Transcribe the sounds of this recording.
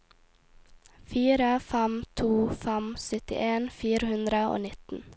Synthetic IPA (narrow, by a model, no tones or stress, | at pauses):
fiːɾəfæmt̪ʰuːfæmsœt̪ɪ̰ʔeːnfiːɾəhʉnd̪ɾəo̰ːnɪt̪n̩